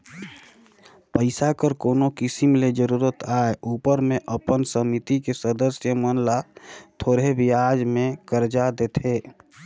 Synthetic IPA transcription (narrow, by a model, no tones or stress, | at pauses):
pəɪsakəɾkoːnokɪsimled͡ʒəɾuːɾət̪ʰaːeuːpəɾmẽʔəpənsəmit̪ikesəd̪əsjəmənlat̪ʰoːɾɦebɪjad͡ʒmẽkəɾd͡ʒad̪et̪ʰeː